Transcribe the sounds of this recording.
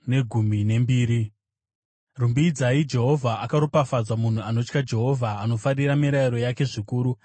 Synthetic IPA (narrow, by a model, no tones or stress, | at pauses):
ne̞ɡʱumine̞mbiːɾi | rumbiːd͡zaid͡ʒe̞ɦo̞vʱaʔakaɾupafad͡zwamun̤uano̞t͡ʃkad͡ʒe̞ɦo̞vʱaːno̞faɾiɾamiɾaiɾo̞jake̞ʐikuːɾu